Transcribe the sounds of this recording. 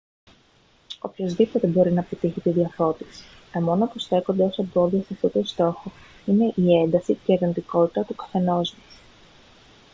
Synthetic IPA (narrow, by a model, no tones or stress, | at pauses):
o̞pço̞zðipo̞t̪e̞bo̞ɾinɐpit̪içit̪iðiɐfo̞t̪isi̥ɐmo̞nopusθe̞ko̞nd̪eo̞sebo̞ðiɐsɐft̪ot̪ost̪o̞xo | ine̞ʔie̞nd̪ɐsiceiðe̞nd̪iko̞t̪i̥t̪ɐt̪ukɐ̥θe̞no̞zmɐs